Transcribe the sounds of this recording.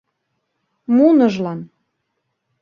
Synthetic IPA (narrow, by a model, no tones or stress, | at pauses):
munəʒlɑn